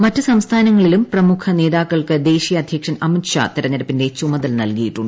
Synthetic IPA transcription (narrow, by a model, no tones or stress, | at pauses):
mɐtːɨsɐmst̪ʰaːnɐŋːɐɭilumprɐmukʰɐne̞ːðaːkːɐɭkɨd̪e̞ːɕijɐɐd̪ʱjɐkʂɐnɐmitʂa̰t̪iɾɐɲːɐɾɐpːinde̞t͡ɕumɐðɐlnɐlkijiʈːuɳːɖɨ